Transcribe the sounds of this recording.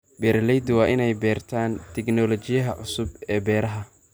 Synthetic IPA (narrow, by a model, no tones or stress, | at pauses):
bɛːɾlɛjd̪wɑːʔɪnɛjbɛːrt̪ʰaːnt̪ʰɛɡnɔlɔt͡ʃɪjɐɦɐʕʊsʊbɛːbɛːɾɐɦɐ